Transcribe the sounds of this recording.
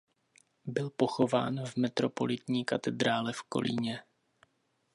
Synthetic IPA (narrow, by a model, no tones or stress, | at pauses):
bɪlpo̞xo̞va̰ːnvmɛt̪ɾo̞po̞̰lɪt̪ɲiːkat̪ɛd̪ɾaːlɛfko̞̰lʔḭɲɛ